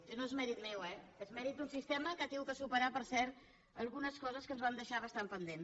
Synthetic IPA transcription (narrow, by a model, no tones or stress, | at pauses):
noezmɛɾit̪mɛwɛezmɛɾit̪d̪unsist̪ɛməkat̪eɡuk̪əsupəɾapəɾsɛɾ | əlˠɣunəskɔzəskənzβand̪əʃaβəst̪ampənd̪en